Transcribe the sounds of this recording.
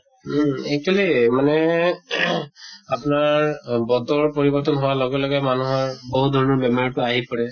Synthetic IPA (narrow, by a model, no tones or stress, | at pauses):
ɛk̚tʰualimanɛ | apnaɹbɔt̪ɔɹpɔɹibɔɹt̪ɔnɦʊwalɔɡɛlɔɡɛmanuɦɔɹbɔɦut̚d̪ʱɔɹnɔbɛmɔɔtʊaɦipɔɹɛ